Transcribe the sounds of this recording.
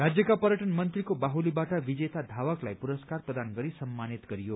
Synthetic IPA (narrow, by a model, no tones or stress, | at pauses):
ɾad͡zjəkapəɾjəʈənmʌnt̪ɾikobaɦulibaʈaʋid͡ʒet̪ad̪ʱaʋəklajpuɾəskaɾpɾəd̪anɡʌɾisəmːanit̪ɡʌɾijo